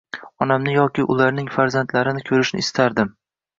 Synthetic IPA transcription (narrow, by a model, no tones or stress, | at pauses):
ɒnamnɪjɒkʲɪʔʊlaɾnɪŋfaɾzant̪laɾɪnɪkʲʰɵɾɪʃnɪ̰ɪst̪ʰaɾd̪ɪm